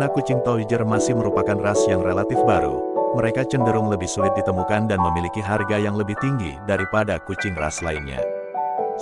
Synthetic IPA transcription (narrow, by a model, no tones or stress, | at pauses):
nakut͡ʃɪŋt̪owid͡ʒərmasɪhməɾupakanrasjaŋrelat̪ɪfbaɾṵməɾekat͡ʃəndəɾʊŋləbɪhsulɪt̪̚dit̪əmukandanməmilikiɦarɡajaŋləbɪht̪iŋɡḭdaɾipadakut͡ʃɪŋra̰slainɲa̰